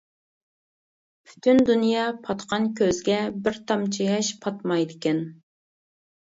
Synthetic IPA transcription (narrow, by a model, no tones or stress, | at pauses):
pʰy̥t̪ʰynd̪unjɑpʰɑt̪qʰɑnkʲʰøzɡʲɛbɪɾt̪ʰɑmt͡ʃʰijɑʃpʰɑt̪mɑjd̪ɪkʲɛn